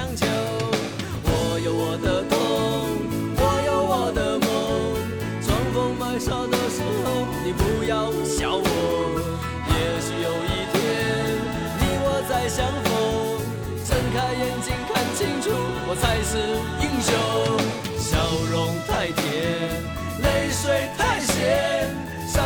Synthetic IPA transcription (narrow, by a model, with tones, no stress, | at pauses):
ŋt͡ɕʰjo˨˧˥ | wɔ˨˧˦jo˨˧˩ʊwɔ˨˩d̪ə˦t̪ʊ˥˦ŋ | wɔ˨˩˦jo˨˧˥ʊwɔ˨˩d̪ə˧˦mo˦ŋ | t͡sʰwɑ˧˥ŋfʊ˧˥ŋma˧˩ɪʂɑ˥˧ʊd̪ə˨ʂɻ̩˧˥xo˧ʊni˨˩pu˧˥jɑ˥˧ʊ | ɕjɑ˨˩ʊwɔ˨˩ | jɛ˧ʂu˧jo˨˩ʊi˥˧t̪ʰjɛ˧˦˥ | ni˨˩wɔ˨˩t͡sa˥˩ɪɕjɑ˧˥ŋfo˧˦ | ʈ͡ʂə˥˧nkʰa˧ɪjɛ˧˥nt͡ɕi˧ŋkʰa˥˧nt͡ɕʰi˥˧ŋʈ͡ʂʰu˥˩ | wɔ˨˩t͡sʰa˧˥ɪʂ̩˥˩ | i˥˩ŋɕjo˧˥ | ɕjɑ˨˩ʊɻʊ˧˥ŋt̪ʰa˥˩ɪt̪ʰjɛ˧˥˦ | le˧˥ɪʂwe˥ɪt̪ʰa˥˩ɪɕjɛ˧˥